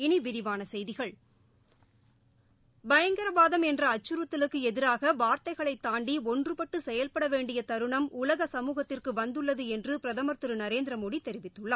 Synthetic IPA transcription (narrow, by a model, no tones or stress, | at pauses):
ɪniʋɪɾɪʋaːnɐsɛjðɪɣɐɭ | bɐjɐŋɡɐɾɐbaːðɐmɛndrɐːt͡ʃːɯɾɯt̪ːɪlɯkːɯɛðɪɾaːɣɐʋaːɾt̪ɐɪɣɐɭɐɪt̪ːaːɳɖiɔndrɯpɐʈːɯsɛjɐlpɐɽɐʋeːɳɖɪjɐt̪ɐɾɯɳɐmʊlɐɣɐsɐmuːɣɐt̪ːɪrkɯʋɐnd̪ɯɭːɐðɯɛndrɯpɪɾɐðɐmɐɾt̪ɯɾɯnɐɾeːnd̪ɪɾɐmoːɽit̪ːɛɾɪʋɪt̪ːɯɭːaː